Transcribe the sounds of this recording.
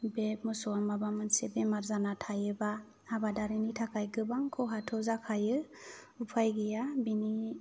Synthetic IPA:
bemɔsɔamabamɯnsebemaɾzanatʰajɯba | abadaɾinitʰakʰajɡɯbaŋkʰɔɦatʰɔzakʰajɯ | upʰajɡijabini

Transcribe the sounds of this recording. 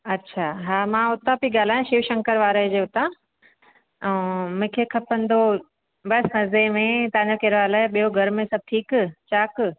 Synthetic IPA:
ɐtːɕʰaɦaːmãʊt̪apiɠaːl̤aːjũʃiːʋʃɐ̃ŋkəɾʋaːɾəɦd͡ʑeːʊt̪ã | ɛ̃mʊ̃kʰekʰɐpə̃nd̪o | bɐsnɐzemẽt̪ɐʋãɲd͡ʑokeːɾʋaːlaːɦeɓijoɡʱɐɾmẽsɐb̚t̪ʰiːkt͡ɕaːk

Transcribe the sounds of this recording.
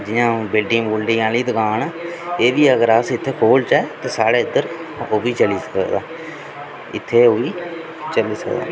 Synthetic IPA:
d͡ʒɪjãːbɪlɖɪ̃ːŋbolɖiːãːliːd̪əkaːneːd̪iːəɡəɾaːsɪt̪ʰːeːkoːlt͡ʃaːt̪eːsaːɽeːɪd̪əɾoːʋiːt͡ʃəliːsə̥kəd̪aː | ɪt̪ʰːeːoːʋiː | t͡ʃəliːsə̰kd̪a̰ː

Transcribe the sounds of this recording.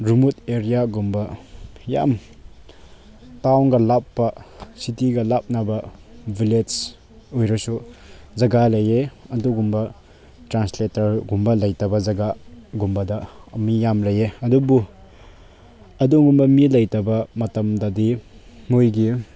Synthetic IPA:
ɾumut̚eɾijaɡumbɐja̰m | tawnɡɐlapːɐsitiɡɐlap̚nɐbɐbiled͡ʒ | ojɾɔsuzɐɡalɐjeɐduɡumbɐ | tɾansletɐɾɡumbɐlɐjtɐbɐzɐɡaɡumbɐdɐɐmijamlɐjeɐdubu | ɐduɡumbɐmilɐjtɐbɐmɐtɐmdɐdimujɡi

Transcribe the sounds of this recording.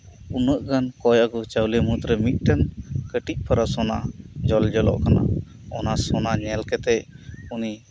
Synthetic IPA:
unəʔɡankɔjaɡɔt͡ʃəwlɛmut̪ɾəmit̪̚ʈankəʈic̚ˀpʰaɾasɔnad͡ʒɔld͡ʒɔlɔ̰ʔkana̰ | ɔnasɔnaɲɛlkɛt̪ɛʔuni

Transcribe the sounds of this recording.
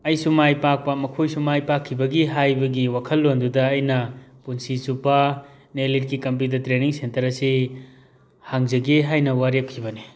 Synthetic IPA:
ɐjsumajpak̚pɐmɐkʰojsumajpakʰːibɐɡiɦajbɐɡiwakʰɐlːondudɐːjnɐpunsisupɐ | nelit̚kikɐmp̬jutɐɾtɾeniŋsentɐɾɐsi | haŋzɐɡeɦajnɐwaɾep̚kʰibɐni

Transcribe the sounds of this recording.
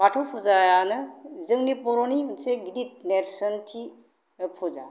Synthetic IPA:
patʰopʰuzajanɯzɯŋnipɔɾoniseɡidit̚neɾsəntʰi | ɯpʰuza̰

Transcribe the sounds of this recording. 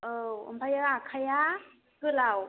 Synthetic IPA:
ɯɯ̰mbajaɾakʰaja | kɯlaw

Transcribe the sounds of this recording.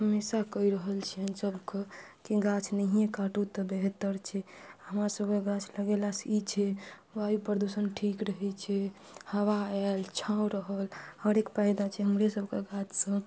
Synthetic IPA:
ɦəmːesakəiɾəɦəlt͡ʃʰɛənsəbʱkekiɡat͡ʃʰnəɦijekaʈut̪ɔbeɦt̪əɾt͡ʃʰɛaɦəmɾasəbʱkeɡat͡ʃʰləɡelasit͡ʃʰɛ | ʋaipəɾd̪usənʈʰikɾəɦɛt͡ʃʰɛ | həwaɛlt͡ʃʰãwɾəɦəlhəɾekpajd̪at͡ʃʰɛɦəmɾesəbʱkeɡat͡ʃʰsə̃

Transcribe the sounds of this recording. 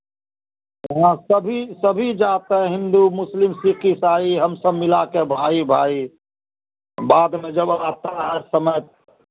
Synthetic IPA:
ɐɦãsəbʱisəbʱid͡ʒaːt̪eɦɛ̃ɦɪ̃nd̪umʊslɪmsiqisaːiɦɐmsəbmɪlakebʱaːibʱaːi | baːd̪mẽd͡ʒəbaːt̪aɦɛsəməjt̪̚

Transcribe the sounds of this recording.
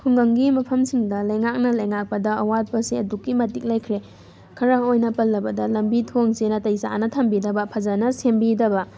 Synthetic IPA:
kʰuŋɡɐŋɡimɐpʰɐmsiŋdɐlɐjŋak̚nɐlɐjŋak̚pɐdɐɐwat̚pɐsiɐdukːimɐtik̚lɐjkʰɾe | kʰɐɾɐojnɐpɐlːɐbɐdɐlɐmbitʰoŋsenɐtɐjsa̰nɐtʰɐmbidɐbɐpʰɐzanɐsembidɐbɐ

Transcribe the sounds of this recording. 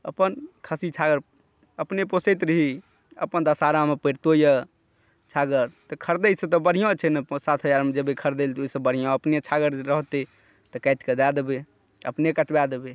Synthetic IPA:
əpənkʰəsit͡ʃʰaɡəɾ | əpneposet̪ɾəɦi | ə̰pənd̪əsaɾamepəɾt̪ojə | t͡ʃʰaɡəɾt̪ɔkʰəɾd̪əɪsẽt̪ɔbəɽ̤ijõt͡ʃʰɛnəsat̪ʰɦəd͡ʒaɾmed͡ʒəbekʰəɾd̪elt̪oisə̃bəɽ̤ijɔ̃əpnet͡ʃʰaɡəɾɾəɦt̪i | t̪ɔkɛɪt̪kəd̪ad̪ebe | ə̰pnekət͡ʃbad̪ebe

